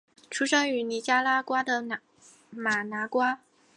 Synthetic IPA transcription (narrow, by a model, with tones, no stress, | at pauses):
ʈ͡ʂʰu˥ʂɤ˥ŋy˧˥ni˧˥t͡ɕja˥la˥kwa˥d̪ə˨ | ma˨˩na˧˥kwa˥